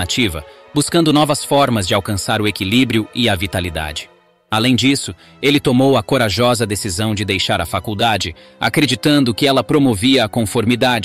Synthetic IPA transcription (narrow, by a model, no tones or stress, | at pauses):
at͡ʃivɐ̰ | buskɐ̃nd̪ʊnɔvɐsfɔɾmɐzd͡ʒɪawkɐ̃saɾʊekilibɾiʊɪɐvit̪alid̪a̰d͡ʒɪ̥ | alẽj̃d͡ʒisʊ | elɪt̪omowɐkoɾaʒɔzɐd̪esizɐ̃w̃d͡ʒɪd̪ejʃaɾɐfakuwd̪ad͡ʒɪa̰kɾed͡ʒit̪ɐ̃nd̪ʊkɪɛlɐpɾomoviɐːkõfoɾmid̪ad͡ʒ